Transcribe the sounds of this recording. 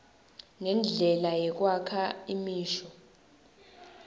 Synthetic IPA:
ŋɛnd͡ɮʱɛlajɛk̬wakʰaimiːʃɔ

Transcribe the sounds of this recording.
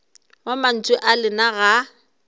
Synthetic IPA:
waman̩t͡sʼʊʔalɪnaɣa

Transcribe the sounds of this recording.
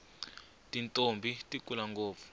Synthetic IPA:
tʼintʼombʱitʼikʼulaŋɡoːp̪fu̥

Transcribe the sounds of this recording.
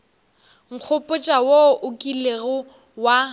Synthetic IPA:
ŋ̩q͡χʰʊpʼʊt͡ʃʼawoʔʊkʼileɣʊ | wa

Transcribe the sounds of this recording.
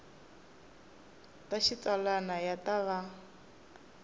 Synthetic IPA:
taʃit͡salanajataβa

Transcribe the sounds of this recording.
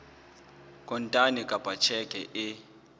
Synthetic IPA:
kʼɔntʼanikʼab̥ʱat͡ʃʰɛkʼɛʔɪ

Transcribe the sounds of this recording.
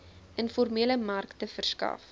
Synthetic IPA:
ənfɔrmiələmɐrktəfərskɐ̰f

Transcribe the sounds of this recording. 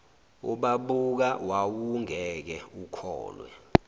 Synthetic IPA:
ṵɓaɓuk̬awawuŋɛk̬ɛukʰɔ̰ːlwɛ̰

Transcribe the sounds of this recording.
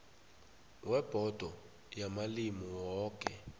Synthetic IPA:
wɛb̥ʱɔd̥ʱɔ | jamalimiwɔːk̬ʼɛ

